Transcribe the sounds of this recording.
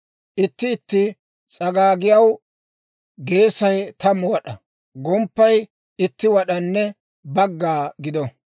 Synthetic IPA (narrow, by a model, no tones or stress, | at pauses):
ʔɪt̪ːɪːt̪ːɪ | t͡sʼɐɡaːɡɪjɐw | ɡe̞ːsɐjt̪ɐmːwɐɗɐ | ɡɔmpːɐj | ɪt̪ːɪwɐɗɐnːɛ | bɐɡːaːɡɪd̪ɔ